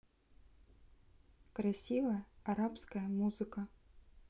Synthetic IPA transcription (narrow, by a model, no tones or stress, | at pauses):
kɾasʲivɐjɐaɾapskɐjɐmuzɨkɐ